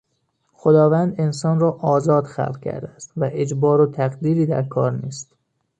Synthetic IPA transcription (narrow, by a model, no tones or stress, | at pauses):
xod̪ɒːvænd̪ensɒːnrɒːʔɒːzɒːd̪xæ̰lʁ̚cʰæ̰ɾd̪ææst̪væʔed͡ʒbɒːɾot̪ʰæɣd̪iːɾiːd̪æɾkʰɒ̰ːɾniːst̪